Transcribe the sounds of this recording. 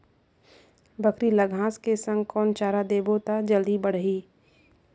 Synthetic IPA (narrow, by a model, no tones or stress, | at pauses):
bəkɾiləɡʱãːskesə̃ŋɡkɔːnt͡ʃaːɾad̪eːbot̪ad͡ʒəld̪ibəɽ̤ɦiː